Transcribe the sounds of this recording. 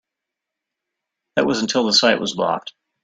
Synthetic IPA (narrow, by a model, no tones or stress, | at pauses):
ðɨʔ̚wʌzn̩tʰɪlˠðəsaɪʔwʌzlɑ̰p̚t̚